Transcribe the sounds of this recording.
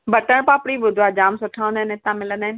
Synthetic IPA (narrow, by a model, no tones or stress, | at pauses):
bɐʈəɽ̃pãːpɽiɓʊd̪ʱoaːd͡ʑaːmsʊʈʰaːʋə̃nd̪aːɦɪnɪt̪ãmɪlənd̪aːɦɪn